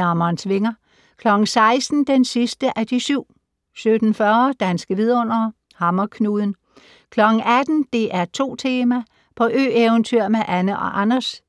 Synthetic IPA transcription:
ɑmɐːnsʋe̝ŋɐ | kʰlɒ̽ɡ̥n̩sɑ̈ɪsd̥n̩d̥ensisd̥əʔæd̥isyʊ̰ | sød̥n̩fɶːɐd̥ænsɡ̥əʋið̞ˠɔ̽n̰ɐ | hɑ̈mɐkʰnuð̞ˠn̩ | kʰlɒ̽ɡ̥n̩æd̥n̩d̥e̝ʔæɐt͡sʰo̝̰ːt͡sʰe̝ːmæ | pʰɒ̽ʔø̰ːeʊənt͡sʰyɐ̰meʔænəʔɒ̽ʔɑnɐs

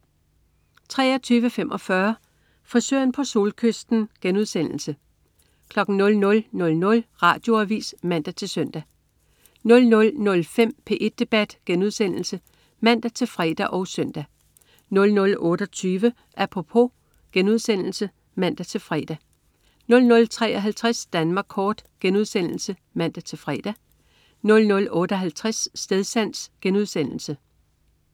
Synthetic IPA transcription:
t͡sʰʁɛ̰ːɐt͡sʰyːʋəfem̰ʔɒ̽fɶɐ | fɒ̽søɐnpʰɒ̽so̝ːlkʰøsd̥n̩ɡ̥enuð̞̰ˠsen̰l̩sə | kʰlɒ̽ɡ̥n̩nɔ̽lnɔ̽lnɔ̽lnɔ̽lʁɑ̰̈ːd̥jo̝æʋḭːsmæn̰d̥æt͡sʰe̝lsœn̰d̥æ | nɔ̽lnɔ̽lnɔ̽lfem̰pʰe̝ʔe̝d̥̚ːe̝b̥æd̥ɡ̥enuð̞ˠsen̰l̩sə | mæn̰d̥æt͡sʰe̝lfʁɛ̰d̥æʔɒ̽ʊsœn̰d̥æ | nɔ̽lnɔ̽lɔ̽ːɾ̥ɒt͡sʰyːʋə | ʔæpʰʁo̝pʰo̝ | ɡ̥enuðˠsen̰l̩sə | mæn̰d̥æt͡sʰe̝fʁɛ̰d̥æ | nɔ̽lnɔ̽lt͡sʰʁɛ̰ːɒ̽ɦælt͡sʰʁasd̥ænmɑ̈ːɡ̥kʰːɒːd̥ɡ̥enuð̞ˠsen̰l̩sə | mæn̰d̥æt͡sʰe̝fʁɛ̰d̥æ | nɔ̽lnɔ̽lɔ̽ːɾ̥əɒ̽ɦælt͡sʰʁasːd̥eðˠsæn̰sɡ̥enuð̞ˠsen̰l̩sə

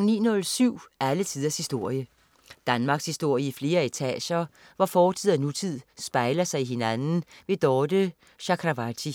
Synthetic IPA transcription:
nḭːnɔ̽lsyʊ̰ælət͡sʰiðˠɐshisd̥o̝ɐ̰jə | d̥ænmɑ̈ɡ̥shisd̥o̝ɐ̰jəifle̝ːɐe̝t͡sʰɛ̰ːɕɐ | ʋɒfɒːt͡sʰið̰ˠænut͡sʰið̞̰ˠsb̥ɑ̈ɪlɐsɑ̈ɪiɦe̝nænn̩ʋe̝d̥ɒːd̥ə | ɕɑkʰʁɑʋɑt͡sʰi

